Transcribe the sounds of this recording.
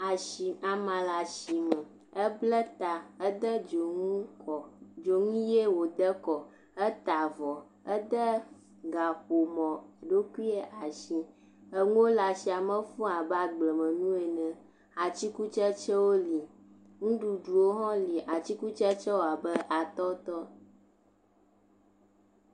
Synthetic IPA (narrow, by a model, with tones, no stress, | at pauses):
a˨ʃi˨a˨mã˨la˨ʃi˨mɛ̃˨ | ɛ˦blɛ˦t̪a˨ɛ˦d̪ə˦d͡ʒo˨ŋũ˦kɔ˨d͡ʒo˨ŋũ˦je˦wo˨d̪ə˦kɔ˨ | ɛ˦t̪a˨vɔ˨ | ɛ˦d̪ə˦ | ɡa˨ɸo˨mɔ̃˨ɖo˦kʷu˦i˦ɛ˦ʔa˨ʃi˨ | ə˦ŋũ˦wo˦la˨si˨a˨mə̃˦fũ˦a˨ba˦ɡ͡blɛ˨mə̃˨nũ˦ɛ˨nɛ̃˨ | a˨t͡ɕi˦ku˦t͡ʃɛ˦t͡ʃɛ˦wo˦li˨ | ŋũ˦ɖu˨ɖu˨wo˦ɦɔ̃˦li˨ʔa˨t͡ɕi˦ku˦t͡ʃɛ˦t͡ʃɛ˦wo˦˨a˨bə˦ʔa˨t̪ɔ˦t̪ɔ˦